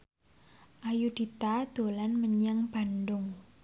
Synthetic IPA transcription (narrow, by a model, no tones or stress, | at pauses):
ʔajud̪̥i̤t̪ad̪̥o̤lanməɲaŋb̥a̤nɖʊŋ